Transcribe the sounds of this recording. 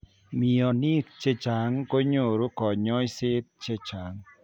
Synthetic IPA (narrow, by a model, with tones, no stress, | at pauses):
mi˨ɔ˨ni˦kt͡ʃe˦t͡ʃa˨ŋko˦ɲo˨ɾo˦kɔ˨ɲɔ˦jsɪ˦t̪̚t͡ʃe˦t͡ʃa˨ŋ